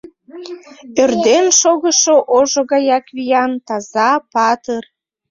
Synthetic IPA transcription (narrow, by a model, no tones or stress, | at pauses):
ørd̪enʃoɣəʃoʔoʒoɣɑjɑkβijɑnt̪ɑzɑpɑt̪ər